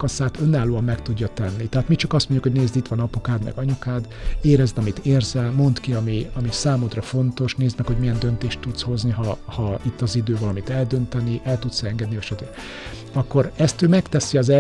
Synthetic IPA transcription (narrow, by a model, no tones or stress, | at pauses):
kɒsaːt̪ønːaːloːɒmːɛkt̪uɟːɒt̪ɛnːit̪ɛɦaːt̪mit͡ʃɒkɒst̪moɲɟukhoɟneːzd̪it̪ʋɒnɒpokaːd̪mɛ̰ɡɒɲukaːd̪eːɾɛzd̪ɒmit̪eːrzɛlmo̞nt̪kiɒmiɒmisaːmod̪rɒfo̞nt̪o̞ʃneːzd̪mɛkho̞ɟmijɛnd̪ø̞nt̪eːʃt̪ːut̪sho̞zniɦɒhɒit̪ːɒzid̪øːvɒlɒmit̪ɛld̪ø̞nt̪ɛniʔɛlt̪ut̪sɛŋɡɛd̪niøʃɛt̪øɾ | ɒkːo̞ɾɛst̪øːmɛkt̪ɛsiɒzɛ